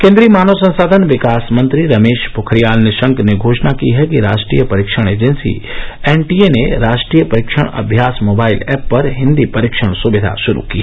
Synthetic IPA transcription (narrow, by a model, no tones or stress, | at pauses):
kẽːnd̪ɾimaːnosɐ̃nsaːd̪ʱənʋɪkaːsmɐ̃nt̪ɾiɾɐmeːʃpʊkʰɾijaːlnɪʃə̃ŋkneɡʱoːʃnakiɦɛkiɾa̰ːʃʈɾḭːjəpɐɾɪkʃəɽ̃eːd͡ʒensḭeːnʈieneɾaːʃʈɾiːjəpɐɾɪkʃə̰ɽ̃ɐ̰bʱjaːsmoːbaːɪlɛːpːɐɾɦɪ̃nd̪ipɐɾɪkʃəɽ̃sʊbɪd̪ʱa̰ʃʊɾṵki